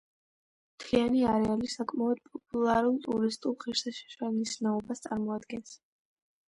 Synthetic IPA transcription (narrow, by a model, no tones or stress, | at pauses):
mt̪ʰianiaɾɛalisakʼmaɔd̪̥̚pʼɔpʼulˠaɾulˠt̪ʼuɾist̪ʼulˠχiɾsaʃɛ̥ʃwalˠnisnaɔbast̪sʼaɾmɔad̪ɡɛns